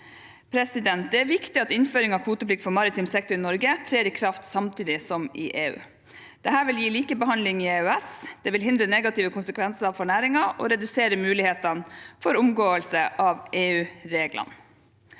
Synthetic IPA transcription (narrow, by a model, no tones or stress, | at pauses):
pʰɾɛsɪd̪ɛnt̪̚d̪ɛːɾʋɪkt̪ɪɑt̪ɪnføːɾɪŋɑʋkʰuːt̪əpʰlɪkːfɔɾmɑɾɪt̪ʰɪmsɛk̚t̪ʊɾɪnɔɾɡət̪ʰɾeːɾiːkʰɾɑft̪sɑmt̪ʰiːd̪ɪsɔmɪ̰ːʔeːʉ̰ː | d̪̥ɛɦæːɾʋɪljiːliːkəbəɦɑnlɪŋieʉɛsd̪̥ɛʋɪlɦɪnd̪ɾənɛɡɑt̪ɪːʋəkʰʊnsəkʰʋɛnsəɾɑʋfɔɳæːɾɪŋɑʔɔ̰ːɾɛd̪ʉseːɾəmʉːlɪheːt̪ɑnfɔɾʊmɡoːəlsəʔɑʋʔeːʉːɾeːɡlʔɑ̰n